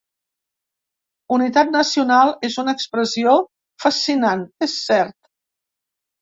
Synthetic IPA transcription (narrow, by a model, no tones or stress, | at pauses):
unit̪at̪̚nəsiunalˠezunəːkspɾəzio | fəsinanesːɛɾt̪